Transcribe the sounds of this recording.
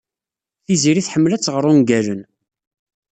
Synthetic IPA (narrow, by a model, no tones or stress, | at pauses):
θiziɾiθħəmːlæt͡sːʁəɾˤʊnɡælən